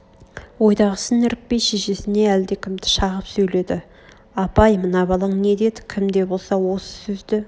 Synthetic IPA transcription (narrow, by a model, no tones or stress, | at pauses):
wo̞jd̪ɑʁəsənɪɾɪk̚pe̞jʃe̞ʃe̞sɪne̞æld̪e̞kʲʰɪmd̪ɪ̥ʃɑʁəpsɵjle̞d̪ɪ | ɑpɑjmənɑbɑlˠəɴne̞d̪e̞d̪ɪkʲʰɪmd̪e̞bo̞lˠsɑwo̞sə̥sɵzd̪ɪ